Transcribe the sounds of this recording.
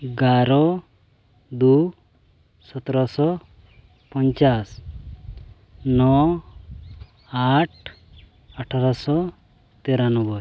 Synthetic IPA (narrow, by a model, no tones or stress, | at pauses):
ɡaɾɔ | d̪u | sɔt̪ɾɔsɔ | pɔɲt͡ʃas | nɔ | aʈ̚ʰ | aʈʰaɾɔsɔ | t̪eɾanɔbɔ